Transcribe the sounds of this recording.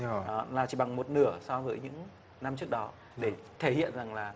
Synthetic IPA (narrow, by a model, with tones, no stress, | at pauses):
ɗɔ˨˦laː˨˩t͡ɕi˧˩ɓa˨˩ŋmo˨˩t̚nɨ˧˩əsɔ˧vəː˨˦jɲɨ̰˧˥ŋ | na˧mt͡ɕɨ˦˥ək̚ɗɔ˨˦ | ɗe˧˩t̪ʰe˧˩hḭ˧˨ənza˨˩ŋlaː˨˩